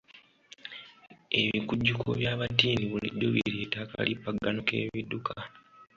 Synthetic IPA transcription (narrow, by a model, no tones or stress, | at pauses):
e̞βikuɟːukʰo̰βjaːβatiːniβulḭdːoβeɾjeːtaːka̰lipːaɡanoke̞̰ːβidukʰa